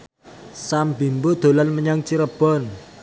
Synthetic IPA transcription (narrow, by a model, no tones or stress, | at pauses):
sambi̤mbod̪̥o̤lanməɲaŋt͡ʃiɾəb̥ɔ̤n